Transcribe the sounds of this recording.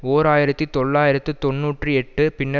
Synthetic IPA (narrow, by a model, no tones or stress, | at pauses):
oːɾaːjɪɾɐt̪ːit̪ɔɭːaːjɪɾɐt̪ːɯt̪ɔnːuːʈrɯɛʈːɯpɪnːɐ